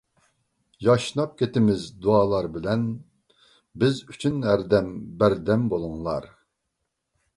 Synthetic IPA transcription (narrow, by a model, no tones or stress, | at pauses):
jɑʃnɑp̚kʲʰet̪ɪmɪzd̪uɑːlˠɑɾbɪlɛn | bɪzyt͡ʃʰynæɾd̪ɛmbæɾd̪ɛmbolˠuŋlˠɑ̰ɾ